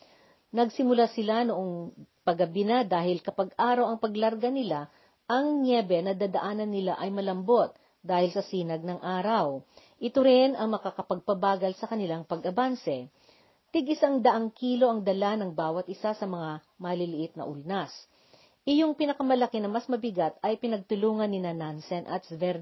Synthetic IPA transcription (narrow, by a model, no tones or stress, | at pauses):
nɐɡsɪmʊlasɪlanoʔoŋpɐɡɐbɪnad̪aːɦɪlkɐpɐɡʔaːɾɐwɐŋpɐɡlɐɾɡɐnɪla | ʔɐŋnjɛbɛnɐd̪aːd̪ɐʔaːnɐnːɪlaʔɐjmɐlɐmbo̞t̪̚ | d̪aːhɪlsɐsiːnɐɡ̚nɐŋʔaːɾɐw | ʔɪt̪oɾɪnʔɐŋmɐkakɐpɐɡ̚pɐbaːɡɐlsɐkɐnɪlaŋpɐɡʔɐbansɛ | t̪ɪɡʔɪsaŋd̪ɐʔaŋkiːlo̞ʔɐŋd̪ɐlanɐŋbaːwɐt̪ʔɪsasɐmɐŋa | mɐlɪlɪʔɪt̪̚nɐ̰ʔʊlnas | ʔɪjoŋpɪnɐkɐmɐlɐkɪnɐmɐsmɐbɪɡat̪̚ɐjpɪnɐɡ̚t̪ʊluːŋɐnːɪnanansɛnʔɐ̰t̪̚svɛɾ